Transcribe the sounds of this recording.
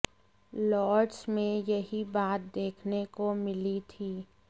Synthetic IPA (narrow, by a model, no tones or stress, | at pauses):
lɔːɾɖsmẽjɐɦibaːt̪̚d̪eːkʰnekomɪlit̪ʰiː